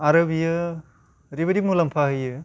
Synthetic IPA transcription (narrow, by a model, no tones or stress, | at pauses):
aɾɐbijɯ | ɾibɐdimulɐmpʰaɦɯjɯ